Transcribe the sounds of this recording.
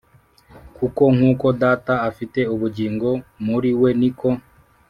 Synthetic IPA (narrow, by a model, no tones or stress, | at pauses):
kuko̞ŋ̥uːko̞daːtaafite̞uβuɟiːŋɡo̞muɾiwe̞niko̞